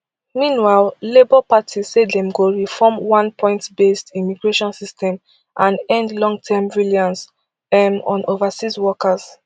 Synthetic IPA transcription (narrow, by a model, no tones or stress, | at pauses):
mĩnwaɪllebɔpatʰiz̥sedɛ̃mɡoɹifɔmwãnpʰɔ̃ɪ̃ntbestimiɡɹeʃɔ̃nsistɛ̃m | ʔãnɛ̃ndlɔ̃ŋɡ̚tʰɛmviljɔ̃ns | ɛmɔ̃nʔovasizwɔkaz̥